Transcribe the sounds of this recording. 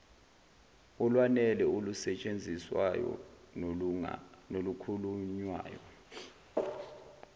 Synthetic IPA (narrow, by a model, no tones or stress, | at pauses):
ulwanɛlɛulusɛt͡ʃʼend͡zʱiswa̰jɔ̰ | nolukʰuluɲwa̰ːjɔ̰